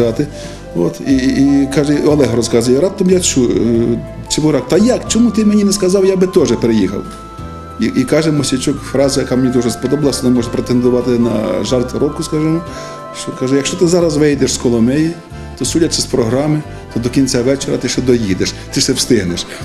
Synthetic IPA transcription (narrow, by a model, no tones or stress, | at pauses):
ɑt̪ɪ | ɔ̰t̪ikɑʒɛɔlˠɛɦɐɾɔskɑzɐjʊɾɑpt̪ːɐmjat͡ʃu | t͡ʃɪbʊɾɑk̚t̪ɐjɑkt͡ʃɔmut̪ɪmenʲinɛskɐzɑwjabɪt̪ɔʒɛpeɾejixɐ̰w | iʔikɑʒɛmɔsʲit͡ʃʊkfɾɑzɐjɐkɑmenʲid̪ɔʒɛspɔd̪ɔbɐlˠɐsʲɐnɛmɔʒɛpɾet̪end̪ʊʋɑt̪ɪnɐ̰ʒɑrt̪ɾɔpkʊskɑʒɛmɔ | ʃt͡ʃɔkɑʒɛjɐkʃt͡ʃɔt̪ɪzɑɾɐsʋɪjd̪eʃskɔlˠɔmɛji | t̪ɔsudʲɐt͡ʃɪspɾɔɦɾɑmɪ | t̪ɔd̪ɔkʲinʲt͡sʲaʋɛt͡ʃeɾɐ̰t̪ɪʃɛd̪ɔjid̪eʃt̪ɪsɛwst̪ɪɦnɪʃ